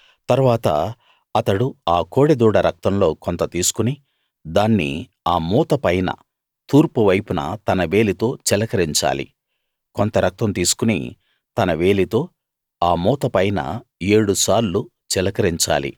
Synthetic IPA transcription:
t̪ɐɾuʋaːt̪ɐ̰ | ɐt̪ɐɽuaːko̞ːɽed̪uːɽɐɾɐk̚t̪ɐmlo̞ːkont̪ɐt̪iːsu̥kuni | d̪aːnːḭ | aːmuːt̪ɐpɐjnɐ̰ | t̪uːɾpuʋɐjpunɐ̰t̪ɐnɐʋe̞ːlit̪o̞ːt͡ʃɛlɐkɐɾiɲt͡ʃa̰ːlḭ | kont̪ɐɾɐk̚t̪ɐmt̪iːsu̥kunḭ | t̪ɐnɐʋe̞ːlit̪o̞ː | aːmuːt̪ɐpɐjnɐ̰eːɽusaːɾlu | t͡ʃɛlɐkɐɾiɲt͡ʃa̰ːlḭ

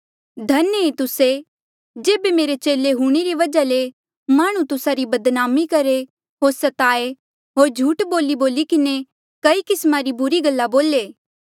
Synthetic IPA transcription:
d̪ʱɐnəit̪ʊse | d͡ʒeːbemeːɾet͡ʃeːleɦuɽ̃iɾiʋɐd͡ʒale | maːɽ̃ũt̪ʊsaɾibɐd̪naːmikɐɾe | ɦoːɾsɐt̪aːe | ɦoːɾd͡ʒʱuːʈboːliboːlikɪne | kɐikɪsmaɾibʊɾiɡɐlːaboːleː

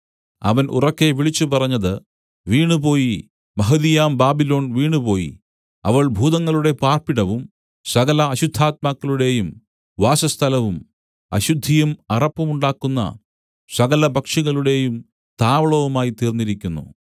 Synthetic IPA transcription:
ɐ̰ʋɐnʔṵrɐkːe̞ʋiɭit͡ɕːupɐrɐɲːɐðɨ | ʋiːɳupo̞ːji | mɐɦɐðijaːmbaːbilo̞ːnʋiːɳupo̞ːjḭ | ɐʋɐɭbʱuːðɐŋːɐɭuɽe̞paːrpiɽɐʋum | sɐɣɐlɐːɕud̪ʱːaːt̪̚maːkːɐɭuɽe̞jum | ʋaːsɐst̪ʰɐlɐʋum | ɐ̰ɕud̪ʱːijumɐrɐpːɐmuɳɖaːkːunːɐ̰ | sɐɣɐlɐbɐkʂiɣɐɭuɽe̞jum | t̪aːʋɐɭɐʋumaːjit̪iːrnːiɾikʲːunːṵ

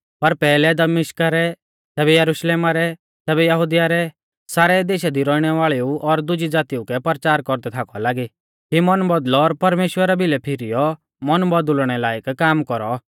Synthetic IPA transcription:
pɐɾpɛːlɛd̪ɐmɪʃkaɾɛ | t̪ɛːbɛjɐɾuʃleːmaɾɛ | t̪ɛːbɛjɐɦud̪ijaɾɛ | saːɾɛd̪eːʃad̪iɾɔiɽ̃ɛʋaːɭiuʔɔɾd̪ʊd͡ʒid͡zaːt̪iukɛpɐɾt͡ʃaːɾkɔɾd̪ɛt̪ʰaːkɔ̰laːɡi | kimɔnbɔd̪lɔːɾpɐɾmeːʃwəɾabɪlɛpʰɪɾijɔ | mɔnbɔd̪ʊlɽ̃ɛlaːjəkkaːmkɔɾɔ

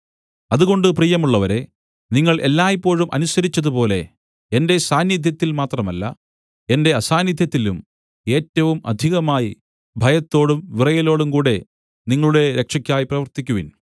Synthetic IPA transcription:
ɐðuɣo̞ɳɖɨpriːjɐmuɭːɐʋɐɾe̞ | niŋːɐɭʔe̞lːaːjipːo̞ːɻumʔɐ̰nusɐɾit͡ɕːɐðupo̞ːle̞ | ende̞saːnjid̪ʱjɐt̪ːilmaːt̪rɐmɐlːɐ̰ | e̞nde̞ɐsaːnjid̪ʱjɐt̪ːilum | e̞ːtːɐʋumɐ̰d̪ʱiɣɐmaːji | bʱɐjɐt̪ːo̞ːɽumʋirɐjɐlo̞ːɽumkuːɽe̞ | niŋːɐɭuɽe̞ɾe̞kʂɐkʲːaːjiprɐʋɐrt̪ikʲːuʋin

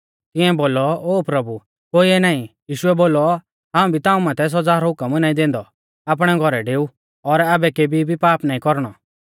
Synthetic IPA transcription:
t̪ɪ̃ɛ̃boːlɔoːpɾɐbu | koːiɛnaːĩjiːʃʊɛboːlɔ | ɦãːũbʱit̪ãːũmaːt̪ʰɛs̬ɔd͡zaːɾɔɦʊkəmnaːĩd̪ẽːnd̪ɔ | ap̬ɽ̃ɛɡʱɔɾɛɖeːu | ɔɾaːbɛkebibʱipaːpnaːĩkɔɾɽ̃ɔ

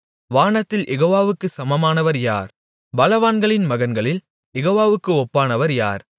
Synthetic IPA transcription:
ʋaːɳɐt̪ːɪlʔɛɣoːʋaːʋɯkːɯsɐmɐmaːnɐʋɐɾja̰ːɾ | bɐlɐʋaːnɡɐɭɪnmɐɣɐnɡɐɭɪl | jɛɣoːʋaːʋɯkːɯɔpːaːnɐʋɐɾja̰ːɾ

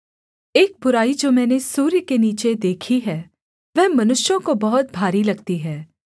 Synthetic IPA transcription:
eːk̚bʊɾaːid͡ʒoːmɛːnesuːɾjkeniːt͡ʃed̪eːkʰiɦɛː | ʋɛɦmɐnʊʃjõkobɐɦʊt̪̚bʱaːɾilɐɡt̪iɦɛː

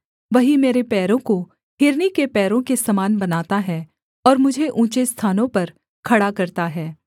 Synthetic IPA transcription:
ʋɐɦimeːɾepɛːɾõko | ɦɪɾnikepɛːɾõkesɐmaːnbɐnaːt̪aɦɛː | ɔːɾmʊd͡ʒʱeʔũːt͡ʃest̪ʰaːnõpɐɾ | kʰɐɽakɐɾt̪aɦɛː

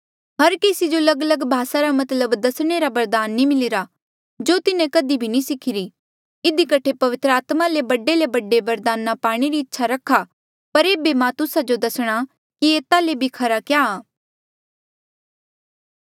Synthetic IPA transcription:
ɦɐɾkeːsid͡ʒolɐɡələɡbʱaːsaɾamɐt̪ləbd̪ɐsɽ̃eɾabɐɾd̪aːnːimɪlɪɾa | d͡ʒoːt̪ɪnẽkɐd̪ibʱinĩsɪkʰɪɾi | ɪd̪ikɐʈʰepɐʋɪt̪ɾəaːt̪malebɐɖelebɐɖeʋɐɾd̪aːnapaːɽ̃eɾiɪtːʃʰaɾɐkʰːa | pɐɾeːbemãt̪ʊsad͡ʒod̪ɐsɽ̃a | kieːt̪alebʱikʰɐɾakjaː

